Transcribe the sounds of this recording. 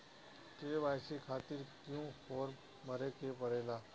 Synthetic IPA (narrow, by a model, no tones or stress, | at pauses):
keːʋaːɪsikʰaːt̪ɪɾkjũɔːɾ | mɐɾekepəɾeːlaː